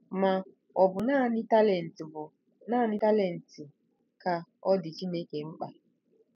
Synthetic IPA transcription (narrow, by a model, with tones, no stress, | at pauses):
ma˨ | ɔ˨bʊ˨na˦ɪ˦le˨n˨tb | na˦˨nɪ˦ta˦le˦˨n̩˨tɪ˨ | ka˨ɔ˦dɪ˨t͡ʃi˦ne˦ke˨ŋ͡m̩˦k͡pa˦